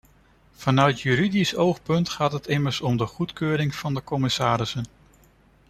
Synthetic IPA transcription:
v̥ɑnœɥtjyɾidisowχpɵntχaːtɦətɪməɹsɔmdəχutkøːɾɪŋv̥ɑndəkɔmɪsaːɾɪsən

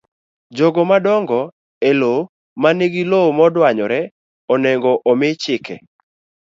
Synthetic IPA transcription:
d͡ʒɔɡɔmadɔŋɡɔ | elo | maneɡilomɔdwaɲɔɾɛ | ɔnɛŋɡɔʔɔmɪt͡ʃɪkʰɛ̰

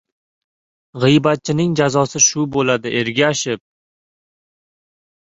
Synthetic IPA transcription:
ʁɨjbat̪̚t͡ʃʰɪnɪŋd͡ʒazɒsɪʃʊbolad̪ɪʔeɾɡʲaːʃɪp̚

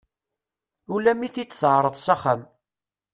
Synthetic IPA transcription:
ulæmiθit͡sːθəʕɾˤəðˤsaχəm

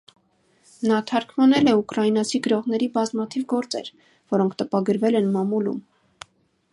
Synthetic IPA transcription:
nɑt̪ʰɑɾkʰmɑnɛlɛukɾɑjinɑt͡sʰiɡəɾɔʁnɛɾibɑzmɑt̪ʰivɡɔɾt͡sɛ̰ɾ | vɔɾɔŋkʰt̪əpɑɡəɾvɛlɛnmɑmulṵm

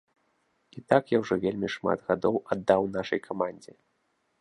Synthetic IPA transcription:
it̪akjawʐɔvʲelʲmʲiʂma̰d̪ɣad̪ɔwad̪ːawnaʂɐ̰jkʰamanʲd͡zʲi

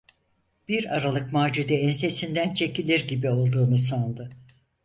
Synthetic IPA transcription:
b̥iɾaɾalˠɯkmaːd͡ʒud̪ɛɛnse̞sind̪ænt͡ʃʰe̞cilʲiɾɟibio̞lˠd̪uːnuso̞nd̪ʊ

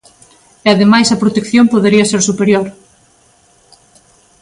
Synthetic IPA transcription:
eaðemajsɐpɾot̪ekθjompoðeɾiɐseɾsupeɾjoɾ

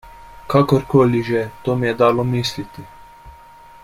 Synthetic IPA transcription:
kakoɾkoːliʒɛt̪oːmijɛd̪aːlomiːslit̪i

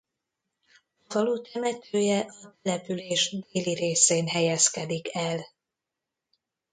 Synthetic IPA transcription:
ɒvɒluːt̪ɛmɛt̪ʰøːjɛʔɒt̪ɛlɛpyleːʒd̪eːliɾeːseːnɦɛjɛskɛd̪ikɛl

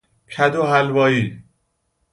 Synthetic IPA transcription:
kʰæd̪oɦælbɒːjiː

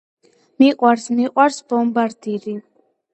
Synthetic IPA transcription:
miqʼwaɾsmiqʼwaɾsbɔmbaɾd̪iɾi

